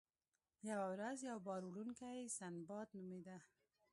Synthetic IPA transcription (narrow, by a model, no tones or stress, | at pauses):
jawawɾazjawbɑɾulunkajsanbɑt̪numed̪a